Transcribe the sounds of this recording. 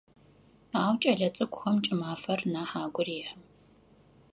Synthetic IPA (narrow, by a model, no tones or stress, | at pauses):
aːwt͡ʃʼɐɮɐt͡sʼɨkʷʊxɐmt͡ʃʼɪmaːfɐrnaːħaːɡʷʊriːħɨ